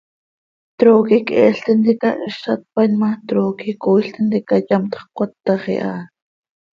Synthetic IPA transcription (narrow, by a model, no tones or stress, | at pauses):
t̪ɾoːkikɛːɬt̪ind̪ikaʔʃat̪̚panmat̪ɾoːkikoiɬt̪ind̪ikajamt̪χkʷat̪ːɑχḭʔa̰